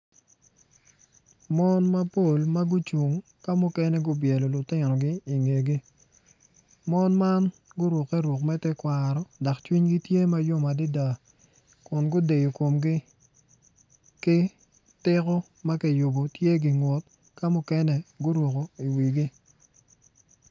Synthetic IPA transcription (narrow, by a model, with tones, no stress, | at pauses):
mɔ˦nma˦po˦˨lma˦ɡʊ˦t͡ʃwu˨ŋ | ka˦mʊ˦kɛ˦nɛ˦ɡʊ˦bjɛ˨lɔ˨lʊ˨tɪ˦nɔ˨ɡɪ˦i˨ŋe˨ɡi˦ | mɔ˦nma˦nɡʊ˦ɾwo˨kːɛ˦ɾwo˨kmɛ˦tɛ˦kwa˨ɾɔ˦da˨kt͡ʃwi˦ɲɡi˦tje˦ma˦jo˦ma˨dɪ˦da˨ | kʊ˨nɡʊ˦de˨jo˨ko˨mɡɪ˦ | kɪ˦ | tɪ˦kɔ˦ | ma˦kɛ˨jʊ˨bo˨tje˦ɡɪ˨ŋwo˨t | ka˦mʊ˦kɛ˦nɛ˦ɡʊ˦ɾwo˨ko˨i˨wi˨ɡɪ˦